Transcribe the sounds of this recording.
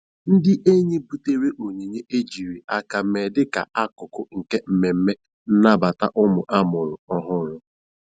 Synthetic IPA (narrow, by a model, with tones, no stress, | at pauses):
n̩˦dɪ˦ʔe˦ɲe˦bu˨te˦ɾe˦ʔo˨ɲe˨ɲe˦ʔe˦d͡ʒi˨ɾi˨a˨ka˨me˨dɪ˦ka̰˨a˦kʊ˨kʊ˦ŋ̩˨ke˦m̩˨me˨m̩˦me˦ | n̩˦na˦ba˨ta̰˦ʔʊ˦mʊ˨ʔa˦mʊ˨ɾʊ˨ɔ˦ɦʊ˦ɾʊ˦